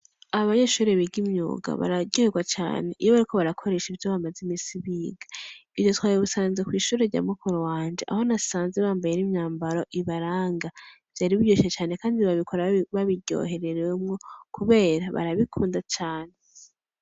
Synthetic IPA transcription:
aβaɲeʃuːɾeβiɡimɲṵːɡa̰βa̰ɾaɟoheɡwat͡ʃa̰ːne̞ʔijoβaɾikʰo̞βaɾakʰo̞ɾe̞ʃivjoβamazimiːsiβiːɡḁivjo̞twaːjeβusaːnzekwiːʃuːɾeɾɟa̰mukoɾowaːɲd͡ʒe̞ʔa̰ho̞nasaːnze̞βaːmbajenimɲaːmbaɾo̞ʔiβaɾaːŋɡa | v̥jaːɾiβiɟoʃet͡ʃaːne̞kaːndiβaβikʰoɾaβaβiɟo̰ɦe̞ɾeɾwemŋo̞kʰuβe̞ːɾaβa̰ɾaβikʰuːndat͡ʃaːne

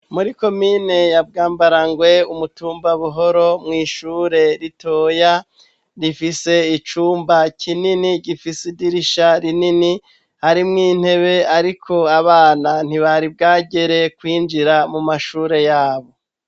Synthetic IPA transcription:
muɾiko̞miːne̞jab̚ɡaːmbaɾaŋɡwe̞umutuːmbaβuɦo̞ɾo̞mŋiːʃuːɾe̞ɾitoːja | ɾifise̞it͡ʃuːmbacʰininiɟifisidiɾiʃaɾinini | haɾimŋiːn̥he̞βe̞aɾikʰo̞aβaːnan̥iβaɾib̚ɡaːɟe̞ɾe̞kwiːnd͡ʒiɾamumaʃuːɾe̞jaːβo̞

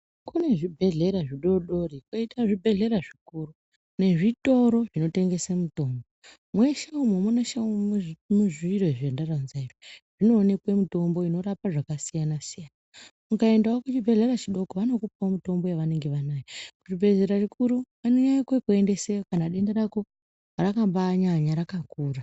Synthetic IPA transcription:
kune̞ʐibʱe̞ɮe̞ɾaʐiɗo̞ɗo̞ɾikwoitaʐibʱe̞ɮe̞ɾaʐikuru | ne̞ʐito̞ɾo̞ʐino̞te̞ŋɡe̞semuto̞ːmbo | mwe̞ʃaumwemunaʃaummuʐiiɾoʐendaranzaireʐ̥ino̞ːne̞kwemito̞mbo̞ino̞ɾapaʐakasijanasijaːnamukae̞ndaokut͡ʃibʱe̞ɮe̞ɾat͡ʃiɗo̞koʋano̞kupomito̞mbo̞jeʋane̞ŋɡe̞ʋanaːjekuʐibʱe̞ɮe̞ɾaʐikʰuɾu | aneɲakwekue̞nde̞sejokanaɗe̞ndaɾako̞ | rakambaɲaɲaɾakakuːra

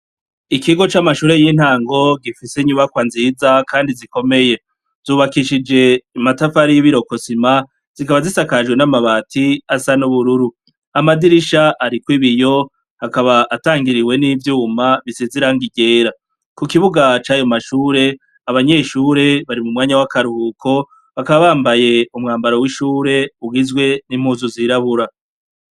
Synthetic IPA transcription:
ikiɡo̞t͡ʃamaʃuːɾe̞jin̥haːŋɡo̞ɡifiseɲuβakwanziːzakaːndiziko̞me̞je̞ | z̥uːβakiʃid͡ʒe̞matafaɾijiβiɾo̞ko̞sima | z̥ikaβazisakaʒɡwe̞namaβatʰiasanuβuɾuɾu | amadiɾiʃaʔaɾikwiβijo̞ | hakaβaʔataːŋɡiɾiwe̞nivjuːmaβisiziɾaŋɡiɡe̞ːɾa | kukiβuɡat͡ʃaːjo̞maʃuːɾe̞ | aβaɲe̞ːʃuːɾe̞βaɾimumŋaːɲawakaɾuhukʰo̞ | βakaβaβaːmbaje̞umŋaːmbaɾo̞wiʃuːɾe̞uɡizɡwe̞nim̥huːzuziɾaβuɾa

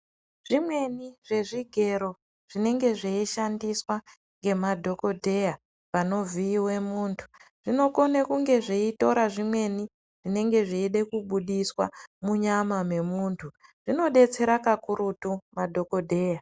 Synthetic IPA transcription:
ʐ̥imwe̞niʐe̞ʐiɡʱe̞ɾo̞ | ʐ̥ine̞ŋɡe̞ʐeiʃandiswa | ŋɡe̞madʱo̞ko̞dʱe̞ja | pano̞viːwe̞muːntʰu̥ʐ̥ino̞ko̞nekuŋɡe̞ʐeito̞ɾaʐimwe̞ni | ʐ̥ine̞ŋɡe̞ʐiːɗe̞kuɓuɗiswa̰muɲamame̞muːntʰuʐ̥ino̞ɗe̞t͡se̞ɾakakuɾutumadʱo̞ko̞dʱe̞ːja

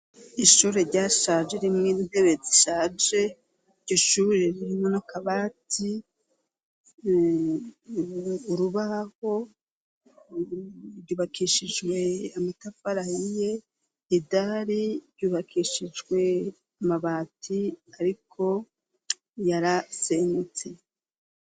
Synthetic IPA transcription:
iʃuːɾe̞ɾɟaːʃad͡ʒe̞ɾimŋeninde̞βe̞d͡ziʃaːd͡ʒe̞ | ɟoʃuβuɾeɾiɾimŋenokʰaβaːtʰi | uɾuβaho̞ | ɾɟuːβakiʃid͡ʒɡwe̞amitafaɾahije | idaɾiɾɟuːβakʰiʃid͡ʒɡwe̞ | amaβaːtʰiaɾikʰo̞ | jaɾasenut͡se

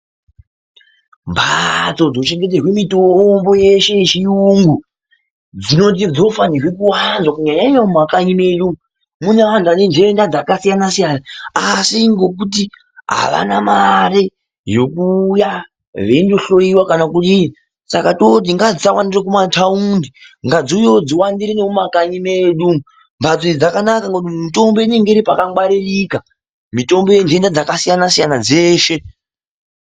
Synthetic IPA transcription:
mbat͡so̞d͡zot͡ʃe̞ŋɡe̞t̬erwemitombo̞je̞ʃe̞t͡ʃiuŋɡu | d͡zino̞t̬id͡zo̞fanirwekuwanzwakuɲaɲaiamakaɲimeju | mune̞ʋantuanend͡ʒendad͡zakasijanasijanaːsiŋɡo̞kut̬i | ɦa̰ʋa̰namaɾe | jo̞kuːja | ʋe̞indo̞ɬo̞iwakanakuɗi | sakatot̬iŋɡad͡zisawandirekumatʰaundiŋɡad͡zujod͡ziwandiɾinemumakaɲimeɗu | mbad͡zoid͡zakanakaŋɡoutimito̞mbo̞ineŋɡeɾipakawaɾirika | mito̞mbo̞jende̞ndad͡zakasijanasijanad͡ze̞ːʃe̞

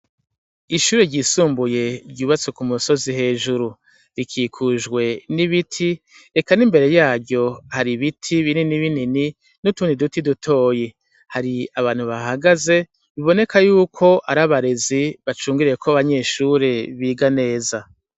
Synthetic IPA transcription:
iʃuːɾeɾɟiːsuːmbuje̞ɾɟuːβat͡sekumuso̞zihe̞ːʒuɾu | ɾikʰiːkʰuʒɡwe̞niβitʰi | ekanimbe̞ɾe̞jaːɾɟo̞haɾiβitʰiβininiβinini | nutuːndidutidutʰo̞ːje | haɾiaβaːn̥huβaɦaɡaze̞ | βiβo̞ne̞kajuːkʰo̞ʔaɾaβaɾe̞ziβat͡ʃuːŋɡiɾijekʰoaβaɲe̞ːʃuɾe̞βiːɡane̞ːza

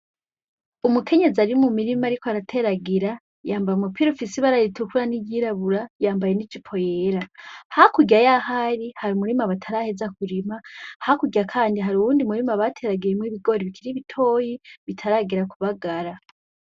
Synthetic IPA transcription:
umukʰe̞ɲe̞ziaɾimumiɾimaɾikoaɾatʰe̞ɾaɡiɾa | jaːmbajumupiɾofisiβaɾaɾitukuɾaniɟiɾaβuɾajaːmbaje̞nid͡ʒipʰo̞jeɾahaakuɟajahaɾihaɾimuɾimaβatʰaɾahezakuɾimahhakuɡɟakʰaːndiɦaɾuβuːndimuɾimaβatʰe̞ɾaɡijemŋiβiɡo̞ːɾiβikʰiɾiβitʰo̞ːjiβitʰaɾaːɡiɾakuβaɡaɾa

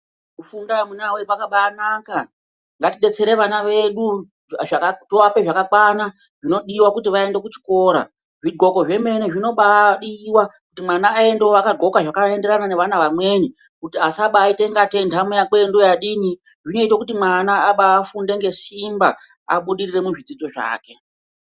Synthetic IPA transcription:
kufundamunawepakaɓaːnaːka | ŋɡatiɗe̞t͡se̞ɾe̞ʋanaʋe̞ɗu | akatoape̞ʐakakwana | ʐino̞ɗiwakutiʋae̞nde̞kut͡ʃi̥ko̞ːɾa̰ | ʐidɡo̞ko̞ʐe̞me̞neʐino̞ɓaɗiwakutimwanaːe̞ndeakadɡo̞kaʐakaende̞ɾanane̞ʋanaʋamwe̞ni | kutiasaɓaːite̞ŋɡate̞ndamujakwendojaɗini | ʐino̞itokutimwanaːɓaːfunde̞ŋɡe̞simba | a̰ɓuɗirire̞muʐid͡zid͡zo̞ʐa̰ːke̞

